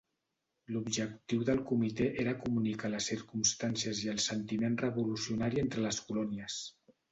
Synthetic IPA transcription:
lubʒək̚t̪iwðəlˠkumit̪eʔeɾəkumunikaləsːiɾkumst̪ansiəziəlˠsənt̪imenrəβulusiunaɾient̪ɾələskulɔniəs

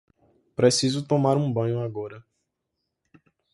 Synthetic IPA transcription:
pɾesizʊt̪õmaɾũbɐ̃ɲʊaɡɔɾɐ

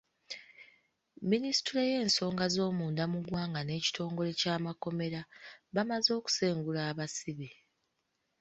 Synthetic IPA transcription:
minisi̥tuɾeje̞ːnso̞ːŋɡazo̞ːmuːndamuɡwaːŋɡane̞ːci̥tʰo̞ːŋɡo̞le̞caːmako̞me̞ɾaβamazo̞ːku̥se̞ːŋɡulaːβasiβe

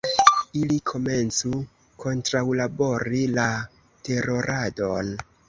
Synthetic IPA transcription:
ilikʰo̞me̞nt͡su | ko̞ntɾawlabo̞ɾila | te̞ɾo̞ɾʔado̞n

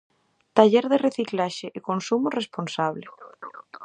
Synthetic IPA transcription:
t̪aʎeɾðereθiklaʃeʔekonsumoresponsaβle

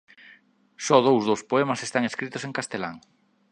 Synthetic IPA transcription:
sɔð̞owzðowspoemɐsest̪aŋeskɾit̪ʊseŋkast̪elaŋ

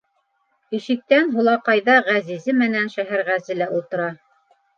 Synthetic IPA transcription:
ĭʃɘ̆k̚t̪ænɦulˠɑqɑjðɑʁæzizɘmɘ̆nænʃæɦæɾʁæzɘ̆læʔulˠt̪ɤ̆ɾɑ

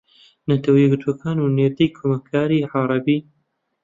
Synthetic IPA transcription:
nɐt̪ʰɐwijɛɡɨɾt̪ʰwɐkʰaːnuneɾd̪ejkʰomɐkʰaːɾiːʕɑɾˤɑbiː

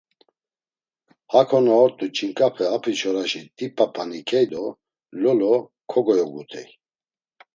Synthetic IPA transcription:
hakʰɔnɔːɾt̪ʼut͡ʃʰʼiŋkʼapʰɛapʰit͡ʃʰɔɾaʃid̪ipʰʼapʰanikʰɛjd̪ɔ | lɔlɔkʰɔɡɔjɔɡut̪ʰɛ̰j

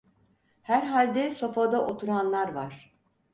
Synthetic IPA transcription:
hæɾɦalʲd̪ɛso̞fad̪aʔot̪ʰuɾanlˠaɾvaɾ̥

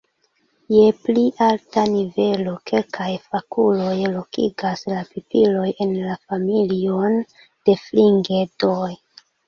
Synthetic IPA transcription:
je̞pliʔaltanive̞lo̞kʰe̞lkʰajfakulo̞jlo̞kḭɡaslapipilo̞je̞nlafamilion | d̥e̞fliŋɡe̞doj

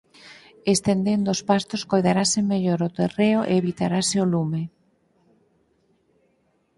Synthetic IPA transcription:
est̪end̪end̪oospast̪oskojðaɾasemːeʎoɾot̪ereoʔḛːβit̪aɾaseolume

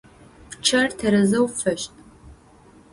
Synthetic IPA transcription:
pʰt͡ʃʰɐrtʰɐɾɨzɐwfɐʃtʼ

